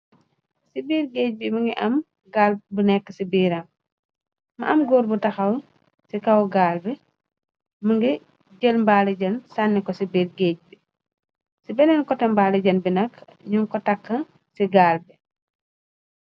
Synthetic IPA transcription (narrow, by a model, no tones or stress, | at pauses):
sibiːɾɡeːc̚bimɐŋɡiʔɐm | ɡaːlbunɛkːəsibiːɾɐm | mɐʔɐmɡɔːɾbutɐxɐw | sikɐwɡaːlbɛ | mɐŋɡi | ɟəlmbalɐɟɐnsanːikɔsibiːɾɡeːc̚bi | sibɛnɛnkɔtɛmbaːlɐɟɐnbinɐkːɲuŋkɔtakːɐ | siɡaːlbɛ